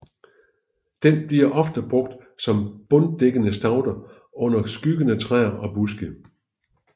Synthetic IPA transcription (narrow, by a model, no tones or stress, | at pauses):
d̥enb̥liɐʔɒ̽fd̥əb̥ʁɔ̽ɡ̥̚d̥sɒ̽mb̥ɔ̽nd̥eɡ̥ənəsd̥ɑ̈ʊd̥ɐ | ɔ̽n̰ɐsɡ̥yɡ̥ənət͡sʰʁɛ̰ɐʔɒ̽b̥usɡ̥ə